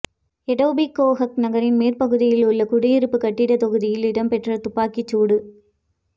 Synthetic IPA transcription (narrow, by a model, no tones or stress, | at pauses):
ɛɽɐːbikːoːɣɐknɐɣɐɾɪnmeːɾpɐɣɯðɪjɪlʊɭːɐkʊɽɪjɪɾɯpːɯkɐʈːɪɽɐt̪ɐɣɯðɪjɪlɪɽɐmpɛʈrɐt̪ʊpːaːkit͡ʃːuːɽɯ